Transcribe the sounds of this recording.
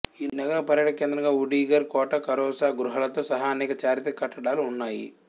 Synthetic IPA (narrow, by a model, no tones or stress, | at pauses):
iːnɐɡɐɾɐpɐɾjɐʈɐkeːnd̪ɾɐŋɡaːuɽiːɡɐɾkɔːʈɐkɐɾɔːsaːɡɾuɦɐlɐt̪o̞ːsɐɦaːɐnɛːkɐt͡ʃaːɾit̪ɐkɐʈːɐɽaːluunːaːjḭ